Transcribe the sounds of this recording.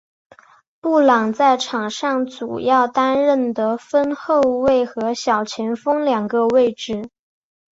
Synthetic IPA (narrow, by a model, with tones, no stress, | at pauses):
pu˥˩lɑ˨˩ŋt͡sa˥˩ɪʈ͡ʂʰɑ˨˩ŋʂɑ˥˩ŋt͡sṵ˨˩jɑ˥˩ʊt̪a˥nɻə˥˩nd̪ə˩fə˥nxo˥˧ʊwe˥˩ɪxɤ˧˥ɕjɑ˨˩ʊt͡ɕʰjɛ˧˥nfɤ˥ŋljɑ˨˩ŋɡə˧we˥˧ɪʈ͡ʂɻ̩˥˩